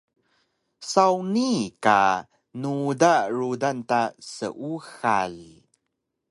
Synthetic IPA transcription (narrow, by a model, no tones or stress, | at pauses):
sawnika̰ | nudaɾudantasə̰ʔuxa̰l